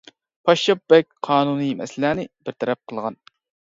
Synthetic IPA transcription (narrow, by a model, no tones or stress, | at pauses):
pʰɑʃːɑp̚bɛk̚ʲqʰɑːnunɨjmɛ̰slæːnɪbɪɾt̪ʰɛɾɛp̚qʰəlˠʁɑn